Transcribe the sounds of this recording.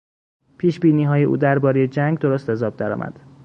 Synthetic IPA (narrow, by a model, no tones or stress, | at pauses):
pʰiːʃbiːniːɦɒːjeʔṵːd̪æɾbɒːɾeje̞d͡ʒæŋɡd̪o̞ɾost̪æzɒːb̚d̪æɾɒ̰ːmʔæ̰d̪̥